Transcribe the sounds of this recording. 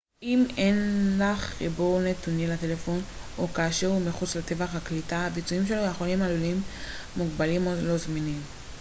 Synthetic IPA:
ime̞nlaχːibuʁne̞t̪unjelatelefo̞n | ʔokaːʃeʁumiχut͡slat̪e̞vaχhaklitaabit͡suimʃelojaːχonimalulimː | uɡbalimolo̞zminim

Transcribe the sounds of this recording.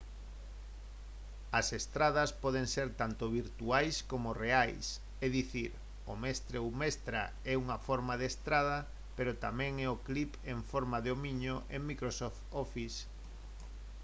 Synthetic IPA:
ɐsest̪ɾað̞ɐspɔðeŋseɾt̪ant̪oβiɾt̪uajskomoreajs | eðiθiɾ | ʊmɛst̪ɾeowmɛst̪ɾa̰ | ɛuŋɐfɔɾmaðest̪ɾað̞ɐ | peɾot̪amɛ̃ŋɛoklipẽŋfɔɾmaðeomiɲoʔeŋmikɾosɔft̪ɔfis

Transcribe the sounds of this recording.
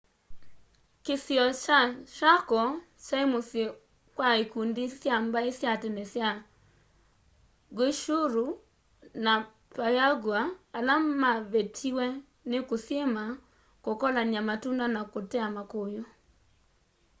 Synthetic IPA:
kesiɔt͡ʃaʃakɔ | t͡ʃaemose | kwaekundisjambaesjatɛnɛsja | ɡeʃuɾu | na | pajaɡwaːlamaβetʰiwɛ | nekosema | kokɔlaniamatundanakotɛamakojo

